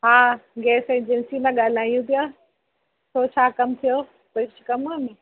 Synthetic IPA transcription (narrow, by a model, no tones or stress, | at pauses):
ɦaːɡɛːsẽːd͡ʑɪnsimãɠaːl̤aːijũpijaː | t̪ʰoːt͡ɕʰaːkɐmt̪ʰijo | pɐɾʃkɐmamĩ